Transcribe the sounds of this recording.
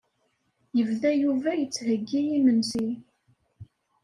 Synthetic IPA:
jəvðæjuvæjət͡sːhəɡːijimənsi

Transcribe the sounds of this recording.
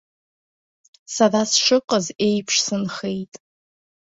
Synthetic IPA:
sadasʂɨqʼəzejpʰʂsɨnχejtʼ

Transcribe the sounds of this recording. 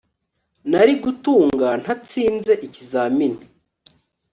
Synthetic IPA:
naɾiɡutuːŋɡan̥hat͡siːnze̞ʔicizamini

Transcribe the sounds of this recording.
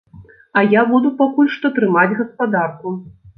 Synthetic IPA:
ɐjabud̪upakulʲʂt̪ɔt̪ɾɨmad͡zʲɣɐspad̪arku

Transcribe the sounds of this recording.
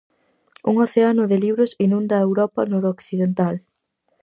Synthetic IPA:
ṵŋoθeanʊðɪliβɾʊsinũnd̪ɐewɾɔpɐnɔɾokθiðent̪al

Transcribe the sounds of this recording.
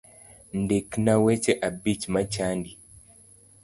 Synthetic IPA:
ndeknawɛt͡ʃɛʔabit͡ʃmat͡ʃandi

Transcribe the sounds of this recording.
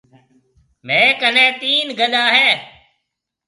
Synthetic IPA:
mẽːkənẽːt̪iːnɡəɗaːɦẽː

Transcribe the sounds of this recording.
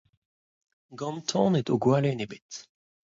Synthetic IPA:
ɡɑ̃nt̪ʰɔ̃net̪oɡwalenebɪt̪

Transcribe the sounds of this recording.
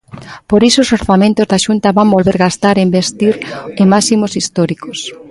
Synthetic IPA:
poɾisoːsoɾθamẽnt̪ozðaʃunt̪aβambolβeɾɣast̪aɾeimbest̪iɾemasimosist̪ɔɾikos

